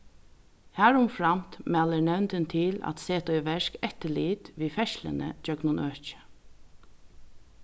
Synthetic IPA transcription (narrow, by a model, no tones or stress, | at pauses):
hæːɹʊmfɹɑmt̪mæːlənɛwnt̪ənt̪ʰɪlæ̰t̪seːt̪ɔʏʋɛʃkɛt̪əliːt̪ʋiːfɛʃlə̰nə̰d͡ʒœɡnʊnʔœːt͡ʃə̥